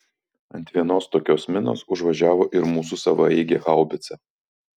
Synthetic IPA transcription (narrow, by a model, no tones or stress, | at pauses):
ɐnʲt̪ʲʋʲiɛnoːst̪oːkʲoːsmʲɪno̰ːsʊʒʋɐʒʲæːʋoːʔɪɾmuːsusɐʋɐɛɪɡʲeːʔɑˑʊbʲɪt̪sʲɛ